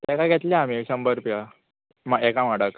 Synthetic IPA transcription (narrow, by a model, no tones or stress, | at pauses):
t̪ɛkaɡɛt̪liamisəmbəɾpija | maekamaɽək